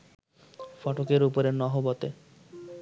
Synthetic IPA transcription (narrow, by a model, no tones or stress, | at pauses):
fɔʈokeɾupoɾenɔɦobɔt̪e